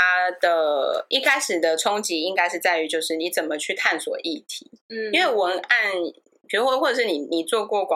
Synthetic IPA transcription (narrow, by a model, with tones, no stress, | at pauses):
a˦d̪̥ə˨i˥˧kʰa˥ɪʂɻ̩˨˩d̪ə˨ʈ͡ʂʰʊ˥ŋt͡ɕi˧˥i˦˥ŋka˥ɪʂɻ̩˥˧t͡sa˥˩ɪy˧˥t͡ɕjo˥˧ʊʂɻ̩˥˩ni˨˦t͡sə˨˩nmə˨t͡ɕʰy˥˧t̪ʰa˥˨nswɔ˨˩ʔi˥˩t̪ʰi˨˦˥nwe˥˩ɪwə˧˥na˥˧n | pʰi˨˩u˧˥˧xwɔ˥˩ə˨˩ʂɻ̩˥˩ni˨˩ni˨˩t͡swɔ˥˧kwɔ˥˩k